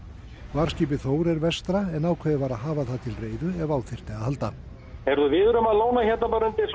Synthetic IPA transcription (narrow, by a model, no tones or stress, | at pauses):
vaːɾ̥sciːp̬ɪθoːwɾɛɾvɛst̪ɾaɛnaːwkʰvɛːðɪvaːɾaðɦaːvaðθaðt̪ʰɪlreːjðʏɛvaːwθɪr̥t̪aɣaðhalt̪a | ɛɾðʏvɪːðʏɾʏmaðloːwnaçat̪napaɾant̪ɪs